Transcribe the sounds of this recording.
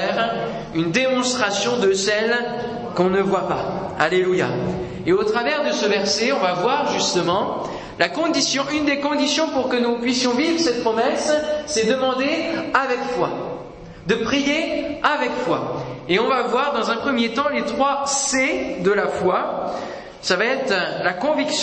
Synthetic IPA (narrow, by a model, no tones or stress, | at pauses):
ɛʁ | ynd̪emɔ̃st̪χasjɔ̃d̪əsɛl | kɔ̃nəvwapa | aleluja̰ | eot̪χavɛʁd̪əsəvɛʁsɛɔ̃vavwaʁʒyst̪əmɑ̃ | lakɔ̃d̪isjɔ̃ʔynd̪ekɔ̃d̪isjɔ̃puʁkənupɥisjɔ̃vivʁəsɛt̪̚pχɔmɛsːɛd̪əmɑ̃d̪eavɛkfwa | d̪əpχijeavɛkfwaeɔ̃vavwaʁd̪ɑ̃zɛ̃pχəmjet̪ɑ̃let̪χwased̪əlafwa | savaɛt̪χlakɔ̃viks